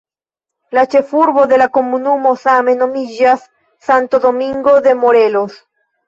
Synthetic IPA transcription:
lat͡ʃe̞fuɾbo̞d̪e̞lako̞munumo̞same̞no̞mid͡ʒasː | antodo̞miŋɡo̞d̪e̞moɾe̞los

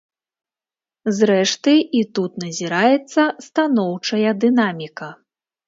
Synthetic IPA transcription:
zɾɛʂt̪ɨit̪ut̪nɐzʲiɾajɛt̪sːɐst̪anɔwt͡ʂɐjɐd̪ɨnamʲikɐ

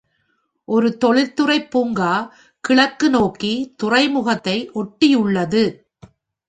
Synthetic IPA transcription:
ʔɔɾɯt̪ɔɭɪt̪ːɯrɐɪpːuːŋɡaː | kɪɭɐkːɯnoːkːit̪ʊrɐɪmʊɣɐt̪ːɐɪʔɔʈːijʊɭːɐðɯ

